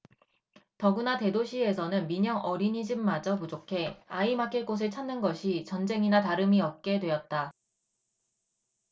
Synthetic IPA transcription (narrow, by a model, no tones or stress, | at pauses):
tʌɡɯnate̞doɕʰie̞sʰʌnɯnmiɲʌŋʔʌɾiɲid͡ʑɯmːad͡ʑʌpud͡ʑokʰe̞aimakʰeɭk͈os̬ʰeɭt͡ɕʰannːɯnɡʌɕʰit͡ɕʌnd͡ʑe̞ŋinataɾɯmiʌp̚k͈e̞dwe̞jʌt̚t͈a